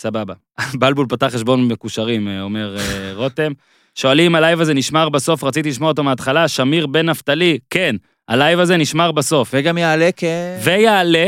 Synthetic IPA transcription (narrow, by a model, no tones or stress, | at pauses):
sababa | balbulpat̪aχeʃbo̞nbekuʃaʁimeome̞ʁeʁo̞t̪e̞m | ʃo̞alimalajvaze̞niʃmaʁbaso̞fʁat͡sit̪̬iliʃmoot̪omeat̪χalaʃamiʁbe̞naft̪aliken | a̰lajvaze̞niʃmaʁbaso̞fveɡamjaalekevejaːle